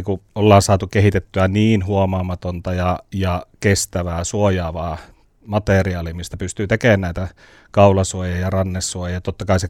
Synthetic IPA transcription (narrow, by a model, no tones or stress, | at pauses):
kuʔolːɑːnsɑːt̪ukehit̪et̪ːyæniːnhuomɑːmɑt̪ont̪ɑjɑjɑkest̪æʋæːsuojɑːʋɑː | mɑt̪eriɑːlimist̪æpyst̪yːt̪ekeːnnæˑit̪æ | kɑulɑsuojɑjɑrɑnːesːuojɑjɑt̪ot̪ːɑkɑˑise